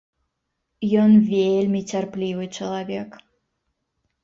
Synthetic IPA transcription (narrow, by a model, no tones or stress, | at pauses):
jɔnvʲelʲmʲit͡sʲarplʲivɨt͡ʂɐlˠavʲɛk